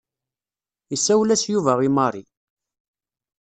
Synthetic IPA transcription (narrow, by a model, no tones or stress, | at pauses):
isːæwlæsjuvæʁimɑɾˤi